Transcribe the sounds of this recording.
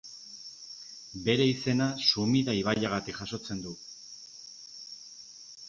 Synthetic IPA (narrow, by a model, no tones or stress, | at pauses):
be̞ɾe̞ise̞nasumiðaiβ̞aʎaɣat̪ikxaso̞t͡se̞nd̪u